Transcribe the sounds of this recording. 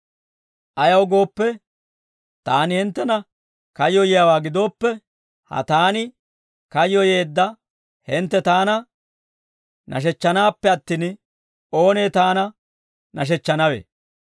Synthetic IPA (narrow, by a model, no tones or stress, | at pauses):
ʔɐjɐwɡo̞ːpːɛ | t̪aːnɪhɪnt̪ːɛnɐ | kɐjːɔjɪjawaːɡɪd̪o̞ːpːɛ | hɐ̰t̪aːnɪ | kɐjːɔjeːd̪ːɐ | hɪnt̪ːɛt̪aːnɐ | nʔɐ̰ʃ̬ɛt͡ʃːɐnaːpːɛɐt̪ːiːn | o̞ːneːt̪aːnɐ | nɐʃ̬ɛt͡ʃːɐnɐwḛː